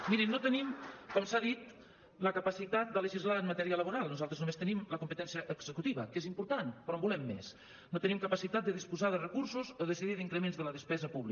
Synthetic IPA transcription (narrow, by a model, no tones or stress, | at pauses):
miɾinot̪ənimkɔmsaðit̪̚ | ləkəpəsit̪at̪̚d̪ələʒizlaənmət̪ɛɾiələβuɾalˠnuzalˠt̪ɾəznumest̪ənimləkumpət̪ɛnsiəʔːɡz̥əkut̪iβə̰kezimpuɾt̪anpɾɔmbulɛmːḛs | not̪ənimkəpəsit̪at̪̚d̪əðispuzaðərəkuɾsuzoðəsiðiðiŋkɾəmenzðələðəspɛzəpuβli